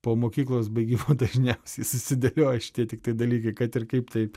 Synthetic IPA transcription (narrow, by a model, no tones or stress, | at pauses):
poːmoːkʲiːklˠoːs̬bɐɪɡʲiːmoːd̪ɐʒʲnʲɛʊsʲɛɪsʊsʲɪd̪ɐlʲoːɐʃʲɪ̥tʲiɛt̪ʲɪkt̪ɐɪd̪ɐlʲiːkɐɪkɐt̪ɪrkɐɪpt̪ɐɪ